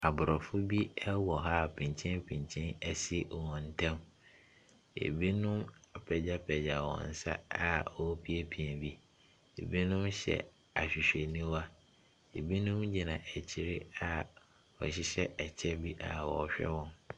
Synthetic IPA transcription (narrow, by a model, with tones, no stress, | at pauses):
a˨bʊ˨ɾɔ˨fʊ˦bi˦ɛ˦wɔ˨ɦa˦pʰĩ˨ɲ˨t͡ɕʰɛ̃˦npʰĩ˨ɲt͡ɕʰɛ̃˦nɛ˦si˦ʔɔ˨wɔ̃˨n̩˨tʰã˦m | ḛ˨bi˦nʊ̃˦m˦pʰɛ˨d͡ʑa˦pʰɛ˨d͡ʑa˨wɔ̰̃˨n˨sa̰˦a˨ɔ˨˦pʰi˦e˦pʰi˨ɛ˨bi˦ | ḛ˨bi˦nʊ̃˦mɕɛ̰˨ | a˨ɕᶣi˨ɕᶣɛ˨nĩ˦wa˦ | e˨bi˦nʊ̃˦md͡ʑi˨nã˨ʔɛ˨t͡ɕʰi˦ɾɪ˦a˨ | ɔ˨ɕ̬ɪ˦ɕɛ˦ʔɛ˨t͡ɕʰɛ˦bi˦ʔa˨wɔ̰˨ɕᶣɛ̰˦wɔ̃˦n